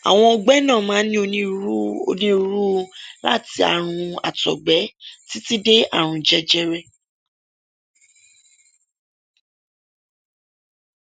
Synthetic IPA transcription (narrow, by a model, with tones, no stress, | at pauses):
a̰˨w̃ɔ̃˧ɔ˧ɡ͡bɛ˦nã˦˨mãː˨˦nĩ˦o˧ĩ˦o˧nĩ˦ɾu˦˧la̰˦˨ti˧a̰˦˨ɾ̃ũ˧a̰˨tɔ̰˨ɡ͡bɛ˨˦ti˦ti˦de˦a˦˨ɾ̃ũ˧d͡ʒɛ˦d͡ʒɛ˦ɾɛ˦˨